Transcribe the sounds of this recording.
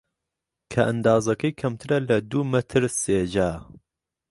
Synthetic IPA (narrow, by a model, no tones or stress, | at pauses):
kʰɐʔɐnd̪aːzɐkʰɐjkʰɐmt̪ʰɨɾɐlɐd̪uːmɐt̪ʰɨɾseːd͡ʒaː